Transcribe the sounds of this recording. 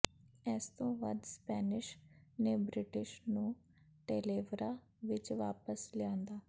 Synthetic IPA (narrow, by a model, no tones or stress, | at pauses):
ɛːst̪õːʋə̰d̪spɛːnɪʃneːbɾɪʈɪʃnũː | ʈeːleːʋɾaː | ʋɪt͡ʃʋaːpəslɪãːnd̪aː